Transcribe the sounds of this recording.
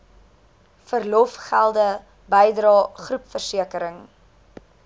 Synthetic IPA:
fərlɔfχælˠdə | bəjdɾɑːχrupfərsiəkəɾəŋ

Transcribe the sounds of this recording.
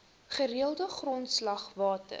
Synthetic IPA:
χəɾiəlˠdəχrɔntslɐχvɑːtə̰

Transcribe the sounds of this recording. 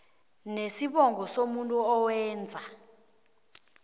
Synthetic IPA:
nesiɓɔŋɡʱɔsomuntʼuɔwɛːnd͡zʱa

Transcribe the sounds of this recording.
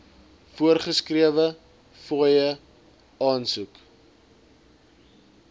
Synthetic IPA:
fuərχəskriəvə | fujə | ɑːnsuk

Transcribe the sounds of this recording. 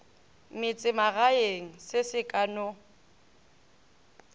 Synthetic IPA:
mɪt͡sʼɪmaɣaeŋ̩sɪsɪkʼano

